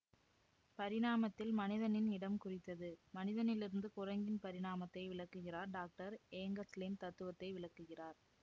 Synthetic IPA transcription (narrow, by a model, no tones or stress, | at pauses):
pɐɾɪɽaːmɐt̪ːɪlmɐnɪðɐnɪnɪɽɐmkʊrɪt̪ːɐðɯmɐnɪðɐnɪlɪɾɯnd̪ɯkʊrɐŋɡɪnpɐɾɪɽaːmɐt̪ːɐɪʋɪɭɐkːɯɣɪraːɾɖaːk̚ʈɐɾeːŋɡɐslimt̪ɐt̪ːɯʋɐt̪ːɐɪʋɪɭɐkːɯɣɪraːɾ